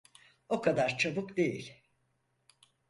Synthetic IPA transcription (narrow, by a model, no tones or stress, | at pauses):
o̞kʰad̪aɾt͡ʃʰabukd̪e̞jilʲ